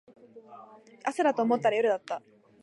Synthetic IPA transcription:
asɨɾat̪o̞ːmo̞t̪ːaɾajoɾɯ̟d̪at̪ːa

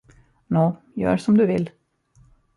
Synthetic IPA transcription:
noː | jœ̰ːɾʂɔmd̪ɵʋɪ̰l

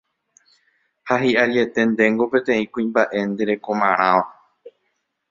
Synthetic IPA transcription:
haɦiʔaɾje̞t̪e̞nd̪e̞ŋɡo̞pe̞t̪ẽ̞ĩkũĩmbaʔe̞nd̪e̞ɾe̞ko̞mãɾ̃ãʋa

